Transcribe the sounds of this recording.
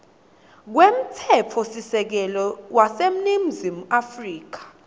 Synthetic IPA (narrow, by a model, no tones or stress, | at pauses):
k̬wem̩tʰɛpʰɔsisɛk̬ɛlɔwasem̩nim̩zimuafriːk̬ḁ